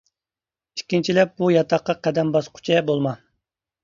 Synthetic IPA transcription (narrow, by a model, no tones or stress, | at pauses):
i̥kʲːint͡ʃʰilɛp̚b̥ujɑt̪ʰɑqːɑqʰɛd̪ɛmbɑsqʰʊ̥t͡ʃʰɛbolˠmɑ